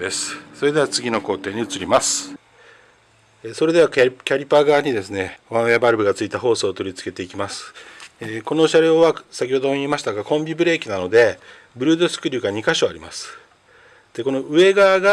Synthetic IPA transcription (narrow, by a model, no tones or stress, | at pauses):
esɨ̥so̞ɾe̞d̪e̞at͡sɨɡʲino̞ko̞ːt̪e̞ːɲ̟iɯ̟t͡sɨɾʲimasɨ̥ | eso̞ɾe̞d̪e̞βakʲaɾʲipaɡaːɲ̟id̪e̞sɨne̞βãɰ̃eabaɾɯbɯ̟ɡat͡sɨit̪aɦo̞ːso̞ːt̪o̞ɾʲit͡sɨ̥ke̞t̪e̞ikʲimasɨ̥eːko̞no̞ːɕaɾe̞oβasakʲiho̞d̪oiimaɕi̥t̪aɡakõ̞mbʲibɯ̟ɾe̞ːkʲinano̞d̪e̞ | bɯ̟ɾɯ̟ːd̪o̞sɨ̥kɯ̟ɾʲɯːɡaɲ̟ikaɕo̞aɾʲimasɨ̥ | d̪̥e̞ko̞no̞ɯ̟e̞ɡaːɡa